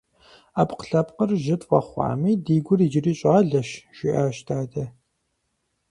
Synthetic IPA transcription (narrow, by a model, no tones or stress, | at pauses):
aːpqə̥ɬɐpqərʒɪtʼʷɐ̰χʷɑ̰ːmiːdiːɡʷʊriːd͡ʒɪriːɕʼaːɮɐʃʒ̥ɪʔaːʃtʰaːdɐ